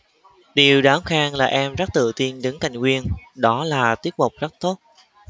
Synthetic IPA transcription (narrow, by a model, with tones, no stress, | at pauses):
ɗi˨˩əwɗaː˨˦mxaː˧ŋlaː˨˩ʔɛ˧mzə˦˥t̚t̪ɨ̰˧˨t̪i˧ənɗɨ˨˦ŋka˨˩jŋ̟kwi˧ənɗɔ˨˦laː˨˩t̪i˦˥ət̚mʊ˨˩k͡p̚zə˦˥k̚t̪o˦˥t̚